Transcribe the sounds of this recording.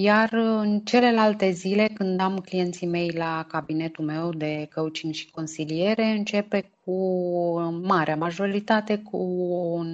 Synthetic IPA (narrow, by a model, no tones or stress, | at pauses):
jarɨnt͡ʃe̞le̞lalt̪e̞zile̞kɨnd̪amklije̞nt̪sime̞jlakabine̞t̪ume̞wd̪e̞kəɨt͡ʃinʲʃi̥ko̞nsilije̞ɾe̞ɨnt͡ʃe̞pe̞k̚ʰu | maɾeamaʒo̞ɾit̪at̪e̞kʰuo